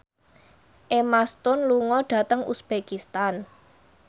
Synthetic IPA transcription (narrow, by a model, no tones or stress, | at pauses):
ʔemast̪ʊnluŋɔɖ̥ä̤t̪əŋṵsb̥ekist̪an